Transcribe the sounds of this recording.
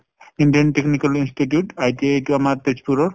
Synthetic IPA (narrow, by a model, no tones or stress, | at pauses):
iɳɖiɐnʈeknikalinsʈiʈjuʈajt̪eeʈuamaɾt̪et͡ʃpʰuɾɔɾ